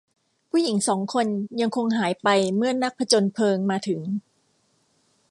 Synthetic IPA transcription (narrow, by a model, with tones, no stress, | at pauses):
pʰuː˥˩ji˩˦ŋsɔː˩˦ŋkʰo˧nja˧ŋkʰo˧ŋɦaː˩˦jpa˧jmɯ˥˩ɐna˦˥k̚pʰɾa˧t͡ɕo˧npʰɤː˧ŋmaː˧t̪ʰɯ˩˦ŋ